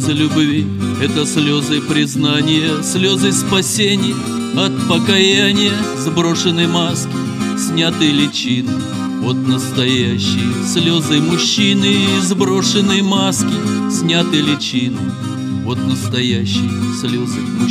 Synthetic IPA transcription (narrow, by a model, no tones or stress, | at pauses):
zɨlʲʊbvʲi | ɛt̪əsʲlʲo̞zɨjpɾʲɪznanʲɪjəsʲlʲo̞zɨspɐsʲenʲɪjə | ɐt̪̚pəkɐjanʲɪjəzbɾo̞ʂɨnːɨjəmaskʲɪ | sʲnʲat̪ɨjlʲɪt͡ɕinɨ | vo̞t̪nəst̪ɐjæɕːɪjəsʲlʲo̞zɨjmʊɕːinɨizbɾo̞ʂɨnɨjəmaskʲɪ | sʲnʲat̪ɨjlʲɪt͡ɕinɨ | vo̞t̪nəst̪ɐjæɕːɪjəsʲlʲozɨm